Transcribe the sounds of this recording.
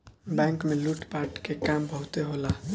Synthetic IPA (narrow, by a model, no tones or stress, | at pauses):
bɛ̃ŋkmeluʈpaʈkekambʱəɦut̪eɦola